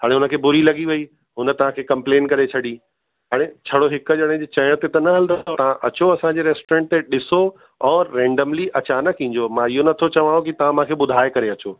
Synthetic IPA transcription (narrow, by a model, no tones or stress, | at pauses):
ɦaːɽ̃eʊnə̆kʰeːbʊɾilɐɠiʋɐi | ɦʊnə̆t̪ɐʋ̤ãkʰeːkɐ̃mpleːnkɐɾet͡ɕʰɐɗi | ɦaːɽ̃et͡ɕʰɐɽoɦɪkəʄɐɽ̃ẽd͡ʑet͡ɕɐːɪɽ̃t̪et̪ɐnɐɦɐld̪ot̪ɐʋ̤ãʔɐt͡ɕoɐsãɲd͡ʑeɾeːsʈoɾẽːɳʈ̚t̪eɗɪso | ɔːɾɛ̃ːɳɖəmliʔɐt͡ɕaːnəkːĩːɲd͡ʑomãɪɦonɐt̪ʰot͡ɕɐʋaːɽ̃õkit̪ɐʋ̤ãmãkʰeːɓʊd̪ʱaːekɐɾeɐt͡ɕoː